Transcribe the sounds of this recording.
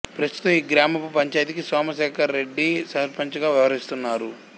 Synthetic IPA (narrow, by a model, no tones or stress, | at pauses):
pɾɐst̪u̥t̪ɐmiːɡɾaːmɐpupɐɲt͡ʃaːjt̪ikisaːmɐʃɛːkɐɾːe̞ɖːisɐɾpɐɲt͡ʃɐɡaːʋjɛʋɐɾist̪unːaːɾu